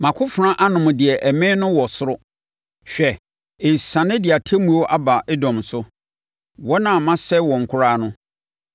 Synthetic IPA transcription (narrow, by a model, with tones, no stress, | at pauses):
mã˨kʰʊ˦fʊ˨ɾã˦ʔa˦nʊ̃˨mʊ̃˨dɪ˨ɛ˨ʔæ˨mɪ̃˦nʊ̃˦wɔ˨sʊ˦ɾʊ˦ | ɕᶣɛ˨ | ɪ˨sã˨nɪ̃˦dɪ˨a˨tʰɛ˦mũ˨o˦ʔa˦ba˨ʔe˦dɔ̃˨msʊ˦ | wɔ˦nã˨mã˦sɛ˦wɔ̃˨ŋ̩˨kʰʊ˦ɾaː˦nʊ̃˦